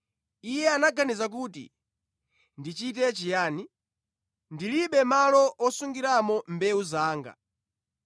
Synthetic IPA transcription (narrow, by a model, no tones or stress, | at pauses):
ijɛanaɡanizak̬uːtḭ | ndit͡ʃitɛt͡ʃijaːni | ndiliɓɛmalɔʔɔsuŋɡiɾamɔmbɛuzaːŋɡa̰